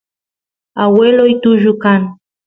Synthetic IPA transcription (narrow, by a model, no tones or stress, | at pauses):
awelojt̪ʊʒʊkan